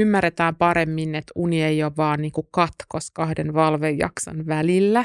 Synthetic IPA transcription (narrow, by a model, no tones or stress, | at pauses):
ymːæret̪æːmpɑɾe̞mːinet̪uniejoʋɑːnniːŋkukɑt̪koskɑhdenʋɑlʋejːɑ̰ksɑ̰nʋælilːæ